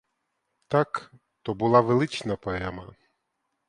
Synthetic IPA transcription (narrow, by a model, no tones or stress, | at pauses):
t̪ak | t̪ɔbulˠaʋelˠɪt͡ʃnɐpɔɛmɐ